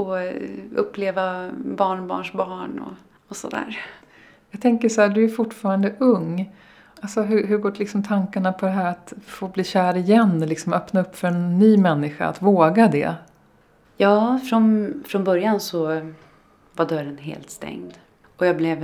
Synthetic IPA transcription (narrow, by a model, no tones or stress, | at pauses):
ɔɵpːleːvabɑːɳbɑ̰ːɳʂbɑːɳɔ̰ | ɔsɔd̪æ̰ːɾ | jɑɡt̪ʰɛŋkəʂhæːd̪ɵæɾfʊʈːfɑːɾand̪əʔɵŋː | alsɔɦɵɦɵɾɡoːʈlɪksɔmt̪ʰaŋkaɳapʰɔd̪ɛɦæːɾat̪foːbliːɕæːɾɪjɛnːlɪksɔmœpnaɵpːfœɾɛnːyːmɛnːɪɧa̰a̰t̪voːɡad̪ɛ̰ | jɑːfɾɔnfɾɔnbœɾjansɔ | vaɖœɾənɦḛːlt̪st̪ɛ̰ŋd̪ | ɔjablɛv